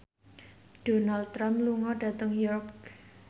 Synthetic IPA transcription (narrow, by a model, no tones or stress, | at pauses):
ɖ̥o̤nald̪̚t̪ɾamluŋɔɖ̥ä̤t̪əŋjuɾɔk